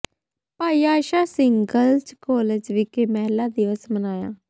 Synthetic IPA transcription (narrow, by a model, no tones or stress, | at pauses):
paːiːaːʃaːsɪŋɡəlt͡ʃkɔːled͡ʒʋɪkeːmɛːlaːd̪ɪʋəsmənaːja̰ː